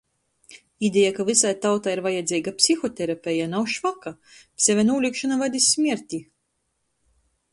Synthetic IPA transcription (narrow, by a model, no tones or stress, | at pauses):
id̪ʲejakavisajt̪awt̪aiɾvajad̪zʲiːɡapʲsixɔt̪ʲɛɾapʲɛjanawʃvakasʲɛvʲɛnuːlʲikʃanavad̪ʲisʲːmʲiɾʲt̪ʲi